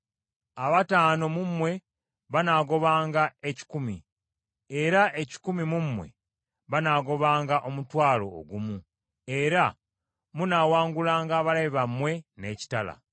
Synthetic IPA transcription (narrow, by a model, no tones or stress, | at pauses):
aβataːno̞mumwe̞ | βanaːɡo̞βaːŋɡae̞ci̥kumi | e̞ɾaʔe̞ci̥kumimumwe̞̰ | βanaːɡo̞βaːŋɡaʔo̞mutwaːlo̞̰ːɡumu | e̞ɾa | munaːwaːŋɡulaːŋɡaβalaiβamːwe̞ne̞ːci̥tala̰